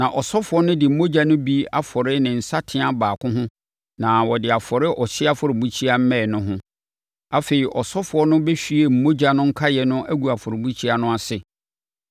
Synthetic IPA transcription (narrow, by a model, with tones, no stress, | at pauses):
nã˨ʔɔ˨sɔ˦fʊ˨˦ɔ˦nʊ̃˦dɪ˨m̩˨˦mo˦d͡ʑa˦nʊ̃˦bi˦a˦fɔ˨ɾɪ˦nɪ̃˨n̩˨sa˦tʰɪ̃˦a˦baː˨kʰʊ̃˦ɦʊ̃˦ | nã˨wɔ˨dɪ˨a˨fɔ˨ɾɪ˦ʔɔ˨ɕɪ˦a˦fʊ˨ɾɪ˨bu˦t͡ɕʰi˦a˦m̩˦mɛ̃˦˨nʊ̃˦ɦʊ̃˦ | a˦fe˨i˨ʔɔ˨sɔ˦fʊ˨˦ɔ˦nʊ̃˦be˦fi˦e˨m̩˨˦mo˦d͡ʑa˨nʊ̃˦ŋ̩˦kʰa˦jɛ˨nʊ̃˦ʔæ˦ɡu˨a˨fʊ˨ɾɪ˨bu˦t͡ɕʰi˦a˦nʊ̃˦a˨sɪ˨